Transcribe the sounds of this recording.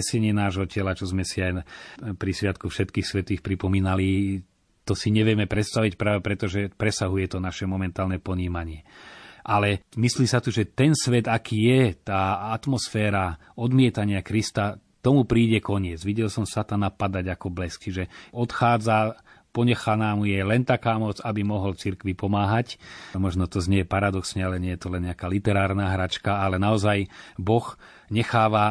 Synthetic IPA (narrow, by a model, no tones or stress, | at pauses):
ɛsɛɲɪɛnaːʒɦɔcɛlat͡ʃɔzmɛsiajpɾisʋɪat̪kufʃɛt̪kiːxsʋɛt̪iːxpɾipɔmiːnali | t̪ɔsiɲɛʋɪɛmɛpɾɛt̪st̪aʋic̚pɾaːʋɛpɾɛt̪ɔʒɛpɾɛsaɦujɛt̪ɔnaʃɛmɔmɛnt̪aːlnɛpɔɲiːmaɲɪɛʔalɛmisliːsat̪uʒɛt̪ɛnsʋɛd̪akiːjɛt̪aːat̪mɔsfɛːɾa | ɔd̪mɪɛt̪aɲɪakɾist̪a | t̪ɔmupɾiːɟɛkɔɲɪɛd͡zʋiɟɛlsɔmsat̪anapad̪aɟakɔblɛskt͡ʃiʒɛɔt̪xaːd͡za | pɔɲɛxanaːmujɛlɛnt̪akaːmɔt͡sabimɔɦɔlt͡siɾkʋipɔmaːɦacmɔʒnɔt̪ɔzɲɛjɛpaɾad̪ɔksɲɛalɛɲɛjɛt̪ɔlɛnɲɪakaːlit̪ɛɾaːɾnaːɦɾat͡ʃkaalɛnaɔzajbɔx | ɲɛxaːʋa